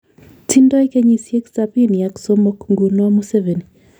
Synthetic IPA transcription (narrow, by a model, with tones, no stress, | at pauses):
tʰi˦ndɔ˦jke˦ɲisje˦ksapi˦ni˨jaksomokŋɡu˨nɔ˦museve˨ni